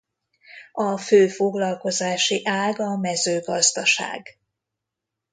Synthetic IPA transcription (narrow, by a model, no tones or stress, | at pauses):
ɒføːfo̞ɡlɒlko̞zaːʃiʔaːɡɒmɛzøːɡɒzd̪ɒʃa̰ːɡ